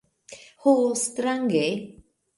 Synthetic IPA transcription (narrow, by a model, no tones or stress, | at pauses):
host̪ɾaŋɡe